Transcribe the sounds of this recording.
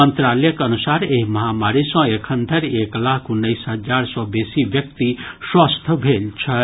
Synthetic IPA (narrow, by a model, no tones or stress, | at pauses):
ənt̪ɾaləjəkənusaɾeɦimɐɦamaɾisɔ̃ekʰənd̪ʱəɾeklakkʰunːəjsɦəd͡zaɾsɔ̃besibjʌk̚t̪iswast̪ʰbʱelt͡ʃʰʌ